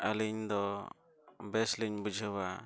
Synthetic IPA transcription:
aliɲd̪ɔ | bɛsliɲbud͡ʒʱəwa

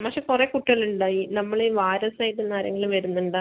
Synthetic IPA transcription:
pɐkʂekurekuʈːiɣɐluɳɖaːjinɐmːɐɭeʋaːɾɐsaːjit̪ːenːaːɾɐ̰ŋːɐɭumʋɐɾunːuɳɖa

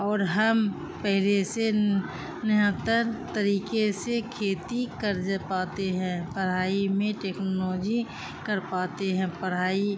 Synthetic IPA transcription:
ɔːɾɦɐm | pɛɦlese | nɐɦə̃t̪əɾt̪əɾiːkesekʰeːt̪ikəɾd͡ʒpaːt̪eɦɛ̃ːpəɾaːimẽʈeːknolɔːd͡ʒi | kɐɾpaːt̪eɦɛ̃pəɽ̤aːi

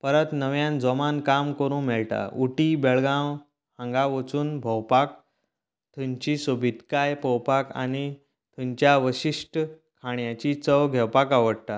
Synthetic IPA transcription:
pəɾət̪nəʋjãnd͡zɔmankamkəɾũːmɛɭʈa̰uʈibeɭɡãw | hə̃ŋɡaʋət͡suːnbʱəwpak̚ | t̪ʰuɲt͡ɕisobʱit̪kajpəwpaka̰ni | t̪ʰuɲt͡ɕjaʋəɕiʂʈə | kʰaɳjat͡ɕit͡səʋɡʱɛwpakaʋəɽt̪a

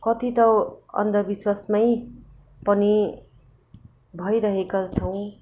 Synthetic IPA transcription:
kʌt̪it̪ʌʌ̰nd̪ʌbiswasmʌj | pʌni | bʱʌjɾʌɦekat͡sʰʌw̃

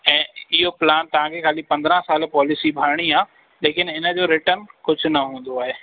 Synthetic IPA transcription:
ɛ̃ːɪɦoplaːnt̪ɐʋ̤ãkʰekʰaːlipɐ̃nd̪ɾãsaːlpɔːlɪsibʱaːɾɽ̃iaː | leːkɪnɪnə̆d͡ʑoːɾɪʈənkʊd͡ʑʱʊ̆nɐɦũːn̆d̪oaːɦeː

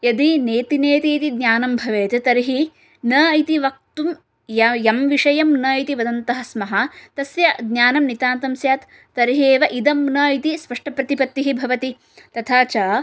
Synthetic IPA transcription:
jɐd̪ineːt̪ineːt̪iːt̪id̪ɲjaːnɐmbʱɐʋeːt̪ɐt̪ɐɾɦi | nɐɐjt̪iʋɐk̚t̪um | ɐjɐmʋiʂɐjɐmnɐit̪iʋɐd̪ɐnt̪ɐɦɐsmɐɦɐt̪ɐsjɐɡnaːnɐmnit̪aːnt̪ɐmsjaːt̪ː | ɐɾiɦeːʋɐʔid̪ɐmnɐit̪ispɐʂʈɐpɾɐt̪ipɐt̪ːiɦibʱɐʋɐt̪i | t̪ɐt̪ʰaːt͡ʃaː

